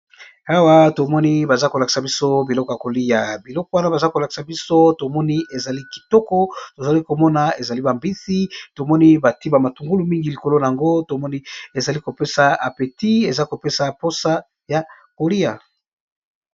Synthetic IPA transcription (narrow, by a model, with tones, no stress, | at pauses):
a˦wa˦to˨mɔ˦ni˦ba˨za˦ko˨la˨ki̥˨sa˨bi˦so˦bi˨lɔ˦ko˨ja˨ko˨li˦ja˨bi˨lɔ˦ko˨˦wa˦na˦ba˨za˦ko˨la˨ki̥˨sa˨bi˦so˦to˨mɔ˦ni˦e˨za˨li˦ki̥˨tɔ˦kɔ˦to˨za˨li˦ko˨mɔ˦na˨e˨za˨li˦ba˨mbi˦si˦to˨mɔ˦ni˦ba˨ti˦ba˨ma˨tu˨ŋɡu˦lu˨mi˦ŋɡi˨li˨ko˨lo˦na˨a˨ŋɡo˦to˨mɔ˦ni˦e˨za˨li˦ko˨pe˦sa˨a˨pe˨ti˦e˨za˦ko˨pe˦sa˨po˦sa˦ | ja˨ | ko˨li˦ja̰˨